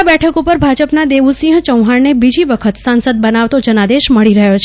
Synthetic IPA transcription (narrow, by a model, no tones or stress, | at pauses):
bɛʈʰəkupəɾbʱad͡ʒəpnad̪eʋusĩɦə̃t͡ʃəwɦaɾnebid͡ʒiʋəkʰət̪sãnsəd̪̚bənaʋt̪od͡ʒənad̪eʃməɭiɾəɦjot͡ʃʰ